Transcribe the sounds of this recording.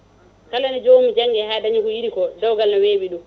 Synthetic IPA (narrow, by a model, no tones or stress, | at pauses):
kalanɛd͡ʒoːmid͡ʒaŋːɡɛhaːɗaɲikɔjiɗikɔd͡ʒawɡalnɔweːɓiɗum